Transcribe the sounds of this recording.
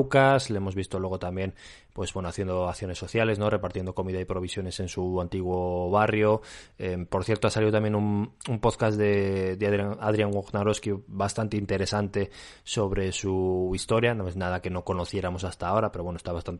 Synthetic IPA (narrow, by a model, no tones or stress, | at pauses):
kasleemo̞zβist̪o̞lwe̞ɣ̞o̞t̪ambje̞n | pwe̞zβwe̞noaθje̞nd̪oaθjo̞ne̞sːo̞θjale̞zno̞re̞paɾt̪jend̪oko̞miðaipɾo̞β̞isjo̞ne̞se̞nsuant̪iɣwo̞βarjo̞epo̞ɾθje̞ɾt̪oasaliðt̪amje̞numumpo̞ðkazðe̞d̪eaðaað̞ɾiaŋɡoɣnaɾo̞skibast̪ant̪eint̪e̞ɾe̞sant̪e̞ | so̞βɾe̞suist̪o̞ɾjanoeznað̞ake̞no̞ko̞no̞θje̞ɾamo̞sast̪ao̞ɾape̞ɾowe̞nost̪aβast̪ant̪